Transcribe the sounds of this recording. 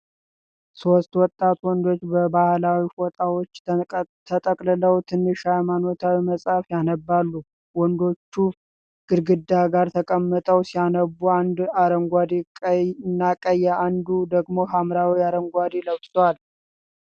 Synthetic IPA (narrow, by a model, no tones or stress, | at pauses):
sost̪wɔt̪ʼːat̪wɔnd̪o̞t͡ʃːbəbahlawifot̪ʼawot͡ʃːt̪ʰət̪ʼəkʼlɨləwt̪ʰɨnːɨʃhajmano̞t̪ʰawiməsʼafjanəbːalːu | wɔnd̪o̞t͡ʃːu | ɡ̥ɨɾɡɨd̪aɡaɾt̪ʰəkʼəmːət̪ʼəwsijanəbːuand̪aɾəŋɡʷad̪ekʼnːakʼəjːaʔand̪ud̪əɡmo̞ɦamɾawiaɾəŋɡʷad̪eləwsʼwal